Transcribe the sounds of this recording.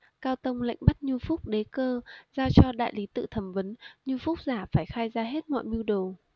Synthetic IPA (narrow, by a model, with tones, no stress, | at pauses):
kaː˧wt̪ə˧wŋ͡mla̰˧˨jŋ̟ɓa˦˥t̚ɲu˧fʊ˦˥k͡p̚ɗe˨˦kəː˧zaː˧t͡ɕɔ˧ɗa̰ː˧˨jli˨˦t̪ɨ̰˧˨t̪ʰə˧˩mvə˨˦nɲu˧fʊ˦˥k͡p̚zaː˧˩faː˧˩jxaː˧jzaː˧ɦe˦˥t̚mɔ̰ː˧˨jmi˧wɗo˨˩